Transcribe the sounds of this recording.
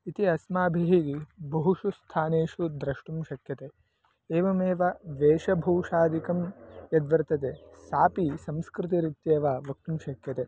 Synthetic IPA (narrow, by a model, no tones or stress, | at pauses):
it̪iɐsmaːbʱiɦeːɡibʱɐɦuʂust̪ʰaːneːʂud̪ɾɐʂʈumʃɐkjɐt̪e | eːʋɐmeːʋɐʋeːʃɐbʱɐwʂaːd̪ikɐmjɐd̪ʋɐɾt̪ɐt̪esaːpisɐmskɾɪt̪̬iɾit̪jeːʋaːʋɐk̚t̪umʃɐkjɐt̪e